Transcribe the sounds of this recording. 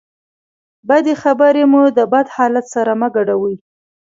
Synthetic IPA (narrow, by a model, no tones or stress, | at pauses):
bad̪exabəɾemud̪əbad̪hɑlat̪saɾaməɡaɖawəj